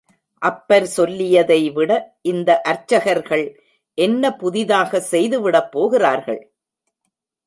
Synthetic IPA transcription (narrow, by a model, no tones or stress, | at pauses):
ʔɐpːɐɾsɔlːɪjɐðɐɪʋɪɽɐʔɪnd̪ɐʔɐɾt͡ʃːɐɣɐɾɣɐɭ | ʔɛnːɐpʊðɪðaːɣɐsɛjðɯʋɪɽɐpːoːɣɪraːɾɣɐ̰ɭ